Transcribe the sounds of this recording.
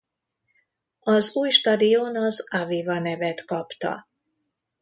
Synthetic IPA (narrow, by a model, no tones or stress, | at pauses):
ɒzuːjʃt̪ɒd̪ijoːnɒzavivɒnɛvɛt̪kɒpt̪ɒ̰